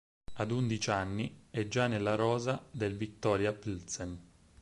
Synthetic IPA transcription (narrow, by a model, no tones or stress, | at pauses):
ad̪und̪it͡ʃanːiɛd͡ʒːanːelːaɾɔːzad̪elvit̪ːɔːɾjapilsɛn